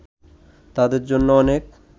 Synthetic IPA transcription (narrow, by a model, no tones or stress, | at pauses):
t̪ad̪eɾd͡ʑonːoɔnek